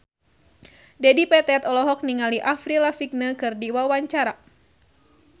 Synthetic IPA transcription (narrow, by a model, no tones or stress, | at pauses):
dɛdipɛt̪ɛt̪ɔlɔɦɔk̚niŋaliʔafɾilafik̚nəkɨrdiwawaɲt͡ʃaɾa